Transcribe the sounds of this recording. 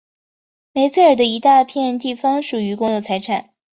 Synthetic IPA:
me˧˥ɪfe˥˩ɪə˞˨˩d̪ə˦i˧˥t̪a˥˧pʰjɛ˥˧nt̪̬i˥˩fɑ˥ŋʂu˨˩y˧˥kʊ˥ŋjo˥˩t͡sʰa˧˥ɪʈ͡ʂʰa˨˩˦n

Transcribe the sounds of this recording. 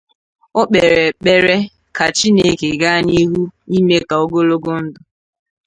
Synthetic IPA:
ʊ˦k͡pe˨ɾe˨k͡pe˦ɾe˦ | ka˨t͡ʃi˦ne˦ke˨ɡa˦˨ni˦ɦu˦i˦me˦ka˨o˦ɡo˦lo˦ɡo˦n̩˦dʊ˦

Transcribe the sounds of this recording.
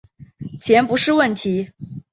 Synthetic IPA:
t͡ɕʰjɛ˧˥npu˧˥ʂɻ̩˥˧wə˥˩nt̪ʰi˧˥

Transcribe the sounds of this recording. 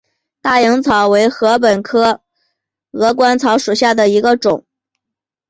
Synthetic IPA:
t̪a˥˩jɤ˧˥ŋt͡sʰɑ˧˥ʊwe˧˥ɪxɤ˧˥p̬ə˨˩nkʰɤ˥ | ɤ˧˥kwa˥nt͡sʰɑ˧˥ʊʂu˨˩ɕja˥˩d̪ə˩i˧˥ɡə˧ʈ͡ʂʊ˨˩˦ŋ

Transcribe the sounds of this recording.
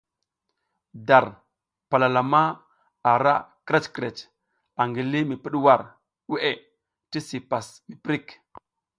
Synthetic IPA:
da˨ɾ | pa˨la˨la˨ma˦ | a˨ɾa̰˦kɾe˦t͡ʃkɾe˨t͡ʃ | a˨ŋɡi˨li˦mi˨pi˦ɗwa˦˨ɾ | we˦ʔe˨ | ti˦si˨pa˨smi˨pɾi˦˨k

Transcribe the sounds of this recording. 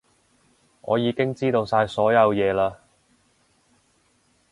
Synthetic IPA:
ŋʔɔ̰ː˨˧jiː˨˧kɪ˥ŋt͡siː˥t̪o˧wsaː˧jsɔː˨˥jɐ˨˧wjɛː˨˧laː˧

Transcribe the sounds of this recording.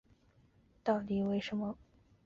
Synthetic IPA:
t̪ɑ˥˩ʊt̪i˨˩we˥˩ɪʂə˧˥nmə˧

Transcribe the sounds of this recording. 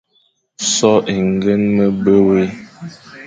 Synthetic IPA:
sɔ˦ʔe˨ŋ˨ɡə˦nmə˦bə˦we˦

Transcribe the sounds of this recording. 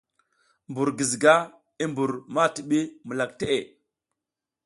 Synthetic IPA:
mbu˨ɾɡi˨zɡa˦ | i˦mbu˨ɾma˦ti˨ɓi˦mə˨la˨kte˦ʔe˨

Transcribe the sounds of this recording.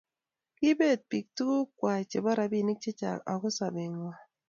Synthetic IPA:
ki˦be˦˨t̚pi˨k̚tu˦ku˦kwa˨t͡ʃe˨ba˦ɾa˨bi˦˨ni˦k̚t͡ʃe˦t͡ʃa̰˨ka̰˨ku˦sa˨be˨ŋwa˨

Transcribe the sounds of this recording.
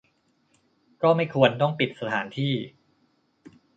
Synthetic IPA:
kɔː˥˩ma˥˩jkʰu˧ənt̪ɔ˥˩ŋpi˨˩t̪̚sa˧t̪ʰaː˩˦nt̪ʰiː˥˩

